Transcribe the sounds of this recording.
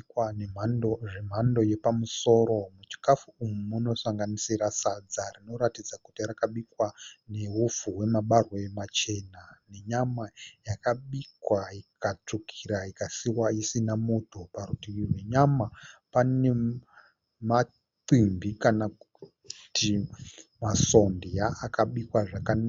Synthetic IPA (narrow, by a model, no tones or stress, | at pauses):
waneanoʐem̤ando̞je̞pamuso̞ːɾo̞mut͡ʃi̥kafuːmumuno̞saŋɡanisiɾasad͡zarino̞ɾatid͡zakutirakaɓikwane̞ɦufuwe̞maɓarwaemat͡ʃe̞ːnane̞ɲamajakaɓikwaikat͡ʂukʰiɾaikasiwaisinamutʰuparutiiɦweɲamapane̞ | ma | ǀimbikanak | timaso̞ndijaʔːkaɓikwaʐakan